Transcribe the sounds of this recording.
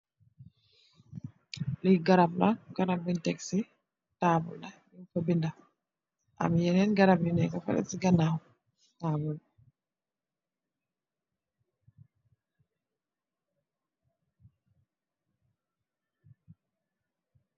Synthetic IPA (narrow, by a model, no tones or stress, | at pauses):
liɡaɾablaɡaɾabːintɛksi | taːbṵlɗajufabinda | ʔa̰mjɛnɛnɡaɾabinɛkafa̰ɾɛ̰siɡanahu | tabula